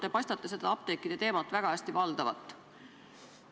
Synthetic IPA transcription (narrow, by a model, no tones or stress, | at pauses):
d̪̥epɑjsʲt̪ɑt̪ːˑese̞d̪̥ɑɑp̚t̪e̞kːˑid̪et̪e̞ːmɑt̪ːˑvæɡ̥ɑæsʲt̪ivɑld̪̥ɑvɑ̰t̪ˑː